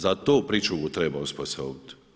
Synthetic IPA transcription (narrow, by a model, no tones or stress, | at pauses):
zat̪oːpɾiːt͡ʃuɡut̪ɾeːbaosposo̰t̪